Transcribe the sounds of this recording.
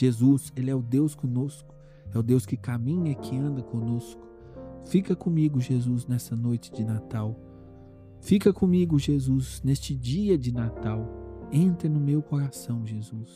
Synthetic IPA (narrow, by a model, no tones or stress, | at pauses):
ʒ̥ezuselɪɛʊd̪ewskõnoskʊ̥ | ɛʊd̪ewskɪkamĩɲɐkʰɪɐ̃nd̪ɐkõnoskʊ̥ | fikɐkõmiɡʊʒezuznɛsɐnojt͡ʃɪd͡ʒɪnat̪aw | fikɐkõmiɡʊʒezuznest͡ʃɪd͡ʒiɐd͡ʒɪnat̪awẽnt̪ɾɪnʊmewkoɾasɐ̃w̃ʒezus